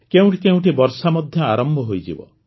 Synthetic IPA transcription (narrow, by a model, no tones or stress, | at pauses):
keũʈikeũʈibɔɾsamɔd̪ʱjɔaɾɔmbʱɔɦojd͡ʒḭbɔ̰